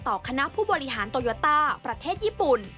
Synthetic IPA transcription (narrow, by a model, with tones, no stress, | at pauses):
t̪ɔː˨˩kʰa˧na˦˥pʰuː˥˩bɔː˧ɾi˦˥ɦaː˩˦nt̪oː˧jo˦˥t̪aː˥˩pɾa˧t̪ʰeː˥˩t̪̚jiː˥˩pu˨˩n